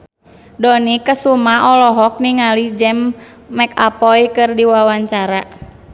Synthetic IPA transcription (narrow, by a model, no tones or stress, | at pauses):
dɔnikəsumaɔlɔɦɔk̚niŋalid͡ʒɛmː | ɛkapɔjkɨrdiwawaɲt͡ʃaɾa